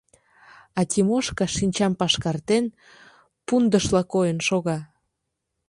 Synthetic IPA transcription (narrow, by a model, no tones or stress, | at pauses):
ɑt̪ʲimoʃkɑʃinʲt͡ɕɑmpɑʃkɑrt̪en | pund̪əʃlɑkojənʃoɣɑ